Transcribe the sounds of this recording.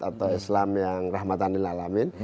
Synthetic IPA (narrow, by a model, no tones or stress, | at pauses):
at̪awislamjaŋrahmat̪anilalamin